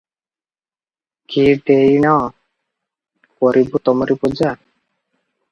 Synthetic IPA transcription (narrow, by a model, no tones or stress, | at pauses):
kiɖeinɔ | kɔɾibut̪ɔmɔɾipud͡ʒa